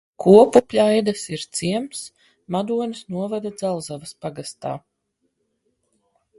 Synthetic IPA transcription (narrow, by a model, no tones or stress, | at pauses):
kʰuɔpupʲlʲajd̪asiɾt̪siɛms | mad̪uɔnʲɨsnuɔvad̪ad̪zalˠzavɐspaɡast̪a̰ː